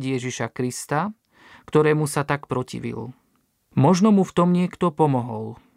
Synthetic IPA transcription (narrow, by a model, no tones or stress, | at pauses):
jɛʒiʃakɾist̪a | kt̪ɔɾɛːmusat̪akpɾɔcḭʋḭl | mɔʒnɔmuft̪ɔmɲɪɛkt̪ɔpɔmɔɦɔl